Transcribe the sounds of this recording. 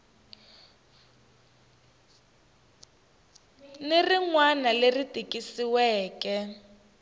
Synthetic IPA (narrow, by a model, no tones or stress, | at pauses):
neriŋwanaleritʼikisiwɛːkɛ